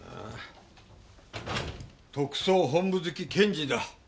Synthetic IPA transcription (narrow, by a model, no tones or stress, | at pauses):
t̪okɯ̟̥soːɦõmbɯzɨkʲikʰẽ̞ɲd͡ʑid̪a